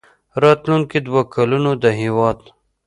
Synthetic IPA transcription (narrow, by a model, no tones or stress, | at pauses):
ɾɑt̪lunkid̪wakʰalunod̪əɦiwɑd̪